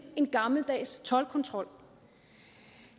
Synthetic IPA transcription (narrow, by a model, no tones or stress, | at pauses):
e̝nɡ̥ɑ̈ml̩d̥ɛ̰ːst͡sʰɒ̽lkʰɒ̽nt͡sʰʁɒ̽l̰